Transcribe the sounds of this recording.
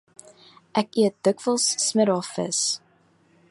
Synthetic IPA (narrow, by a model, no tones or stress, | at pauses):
ʔækiət̚dəkvəlˠsːməɾɑfə̰s